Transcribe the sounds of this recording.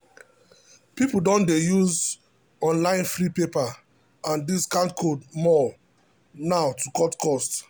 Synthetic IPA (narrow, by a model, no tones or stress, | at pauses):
pipudɔ̃ndejuz | ɔ̃nlãɪ̃nfɾipepa | ãndiskãntkʰodmɔ | naʊtʰukɔtkɔst